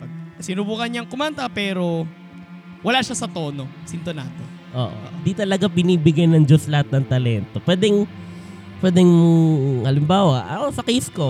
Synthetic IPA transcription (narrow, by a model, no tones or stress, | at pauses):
pɐɡsɪnubuːkɐnɲaŋkʊmant̪ɐpɛːɾo̞ | wɐlaːʃasɐt̪o̞ːnosɪnt̪onaːt̪o | ʔo̰ːʔo̰nd̪it̪ɐlɐɡapɪniːbɪɡajnɐŋd͡ʒoslɐhat̪̚nɐŋt̪ɐlɛnt̪o̞pwɛːd̪ɛŋ | pwɛːd̪ɛŋ | hɐlɪmbaːwɐʔɐ̰ʔosɐkisko̞